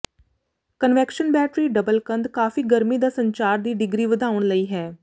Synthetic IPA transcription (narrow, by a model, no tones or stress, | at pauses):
kənʋɛkʃənbɛːʈɾiːɖəbəlkənd̪kaːfiːɡəɾmiːd̪aːsəɲt͡ʃaːɾd̪iːɖɪɡɾiːʋəd̪aːʊɳ̃ləiːɦɛː